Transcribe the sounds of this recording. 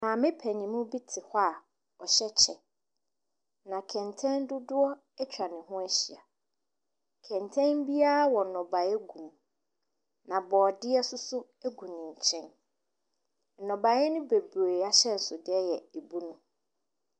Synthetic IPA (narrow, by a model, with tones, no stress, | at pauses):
nã˨mɪ̃˦pʰɛ˨ɲĩ˨mʊ̃˦bi˦tʰɪ˨hɔ˦a˨ | ɔ˨ɕɛ˦t͡ɕʰɛ˨ | nã˨kʰɛ̃˨ntʰɛ̃˦n˦dʊ˦dʊ˦ɔ˦ | ɛ˦t͡ɕʰᶣɾa˨nɪ̃˨ɦʊ̃˦æ˦ɕi˨a˨ | kʰɛ̃˨ntʰɛ̃˦nbi˦a˦a˦wɔ˨nɔ̃˨ba˨ɛ˦ɡũ˨m | nã˨bɔː˨dɪ˦ɛ˦sʊ˦sʊ˦ | æ˦ɡũ˨nɪ̃˨ɲ̩˨t͡ɕʰɛ̃˦n | n̩˨nɔ̃˨ba˨˦ɛ˦nʊ̃˦be˨bɾeː˨a˦ɕɛ˦n̩˨sʊ˨dɪ˦ɛ˦jɛ˨e˨bu˦nʊ̃˦